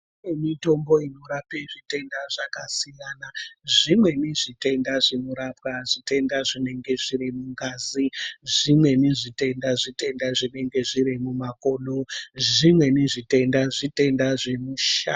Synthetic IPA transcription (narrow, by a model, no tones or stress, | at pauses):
emito̞mbo̞ino̞ɾapeʐite̞ndaʐakasijanaʐimwe̞niʐite̞ndaʐenoɾapkaʐite̞ndaʐine̞ŋɡe̞ʐiɾimuŋɡaːziʐimwe̞niʐite̞ndaʐite̞ndaʐine̞ŋɡe̞ʐiɾimumako̞ːnoʐimwe̞niʐite̞ndaʐite̞ndaʐe̞muʃa̰ː